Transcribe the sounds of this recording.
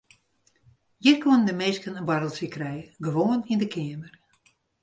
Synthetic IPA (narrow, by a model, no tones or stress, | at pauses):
jirkʰwonədəmeskənəbaɾəlˠsəkrɛjɡəʋoːnindəkʰɪəmər